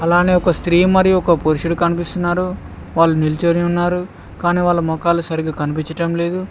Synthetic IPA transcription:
ɐlaːneɔkɐst̪ɾiːmɐɾiɔkɐpoɾiʃuɽukɐnipist̪unːaːɾu | ʋaːɭːunilit͡ʃoːniunːaːɾu | kaːniːʋaːɭːumɔkaːlusɐɾiɡaːkɐnipiɲt͡ʃɐʈɐmle̞ːd̪u

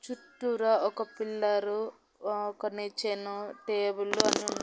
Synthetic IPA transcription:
t͡ʃuʈːuɾaɔkɐpilːɐɾu | ɔkɐnit͡ʃenuʈeːbuluɐniɳ

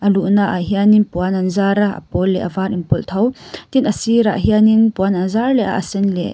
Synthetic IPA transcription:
ʔɐluʔnaʔaɦianinpuanɐnzaɾaɐ̰pɔlːɛʔɐvaːɾinpɔlt̪ʰɐwt̪inɐsiɾa̰ʔɦianinpuananzarlɛʔa̰ʔɐsɛnlɛ̰

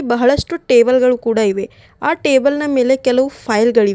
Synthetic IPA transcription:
bɐɦɐɭɐʂʈuʈeːbɐlɡɐɭukuːɽaiʋe̞ | aːʈeːbɐlnɐme̞ːle̞kɛlɐʋupʰɐjlɡɐɭiʋe

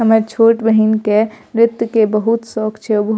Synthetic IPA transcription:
ɦəməɾt͡ʃʰoːʈbəɦinkeɾɪt̪jəkebəɦut̪sɔːkt͡ʃʰɛobəɦ

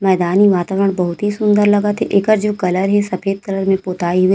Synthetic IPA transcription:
mɛːd̪aːniʋaːt̪aːʋəɾəɽ̃bɐɦʊt̪ɦisʊ̃nd̪əɾlɐɡət̪eʔeːkəɾd͡ʒoːkɐləɾɦɛsɐfʰeːd̪̚kɐləɾmẽpoːt̪aːiɦʊi

